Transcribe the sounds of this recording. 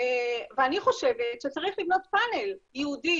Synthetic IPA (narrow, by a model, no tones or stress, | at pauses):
eveaniχo̞ʃe̞vetʃet͡saʁiχlivno̞tpane̞ljɛudi